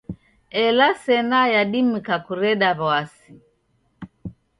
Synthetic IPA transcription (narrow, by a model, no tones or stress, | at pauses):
ɛlasɛnajaɗim̩kakuɾɛɗaβwasi